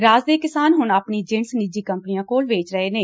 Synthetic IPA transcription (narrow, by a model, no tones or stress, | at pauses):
ɾaːzd̪eːkɪsaːnɦʊɳaːpɳiːd͡ʒɪɳsnɪd͡ʒiːkəmpnɪjãːkoːlʋeːt͡ʃɾəeːneː